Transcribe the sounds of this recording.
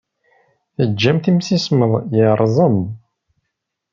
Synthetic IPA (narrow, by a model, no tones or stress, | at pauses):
θəd͡ʒːæmθimsisməðˤjəɾˤzˤəm